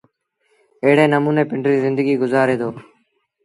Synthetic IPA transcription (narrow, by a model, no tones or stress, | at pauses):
əɦɪɽeːnəmuːneːpɪɳɖɾiːzɪ̃nd̪əɡiːɡʊzaːɾeːd̪oː